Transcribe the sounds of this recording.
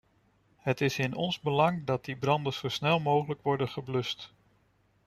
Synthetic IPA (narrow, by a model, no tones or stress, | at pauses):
hətɪsɪnɔnzbəlɑŋdɑt̚dibrɑndəz̥owsnɛlˠmowχələkʋɔɹdənχəblɵst